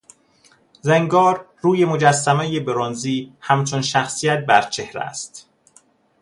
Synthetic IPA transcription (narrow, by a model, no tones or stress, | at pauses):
zeŋɡɒːɾːuːje̞mo̞d͡ʒæsːæmæjebeɾonziːhæmt͡ʃʰonʃæxsijæt̪̚bæɾt͡ʃʰe̞hɾæ̰st̪